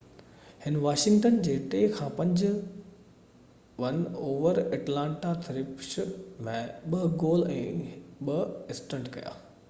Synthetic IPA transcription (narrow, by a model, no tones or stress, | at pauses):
hɪnʋaːʃɪ̃ŋɡʈənd͡ʑeːʈekʰãːpɐ̃ɲd͡ʑ | ʋɐnoːʋəɾɐʈlãːɳʈat̪ʰɐɾɪpʃmẽɓɐɡoːlɛ̰̃ːɓɐɪsʈə̃ɳɖkɐ̰ja̰ː